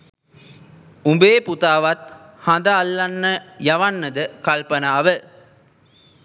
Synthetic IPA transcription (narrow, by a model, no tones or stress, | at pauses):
umbeːput̪aːʋɐt̪ | hɐnd̪aalːanːəjɐʋanːəd̪əkalpɐnaːʋə